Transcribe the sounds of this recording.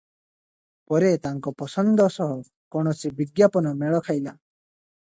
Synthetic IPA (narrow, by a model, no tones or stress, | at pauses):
pɔɾet̪aŋkɔpɔsɔnd̪ʱɔsɔɦɔ | kɔɽ̃ɔsʰibiɡjapɔnɔmeɭɔkʰajla